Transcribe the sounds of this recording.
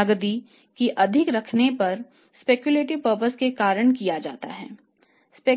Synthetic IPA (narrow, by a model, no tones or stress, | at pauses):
ɐɡd̪i | kiʔɐd̪ʱɪkɾɐkʰnepɐɾ | speːkjuleːʈɪʋpəɾpəskekaːɾəɽ̃kijad͡ʒa̰ːt̪a̰ɦɛ̰ː | speː